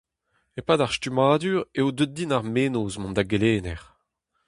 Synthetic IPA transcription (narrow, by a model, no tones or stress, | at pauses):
epaːdaʁstymaːd̪yʁeod̪øt̚d̪inaʁmeːnozmɔ̃nd̪aɡeleːnɛʁ